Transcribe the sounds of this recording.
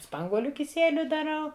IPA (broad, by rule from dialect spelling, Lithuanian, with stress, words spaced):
ˈspɐŋɡuɔlʲʊ kʲɪˈsʲiɛlʲʊ dɐˈrɐʊ